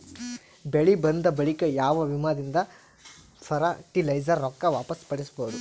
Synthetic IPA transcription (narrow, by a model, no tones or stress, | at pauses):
beɭibɐnd̪ɐbɐɭikɐjaːʋɐʋimad̪ind̪ɐ | pʰɐɾaʈilɐjd͡ʒɐɾːɔkːɐʋaːpɐspɐɽisboːd̪u